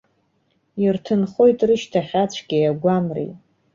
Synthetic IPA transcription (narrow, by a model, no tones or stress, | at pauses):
irtʰɨnχo̞jtʼrɨʃtʰaχʲat͡ɕʷʰɡ̥ʲejaɡʷamrḭ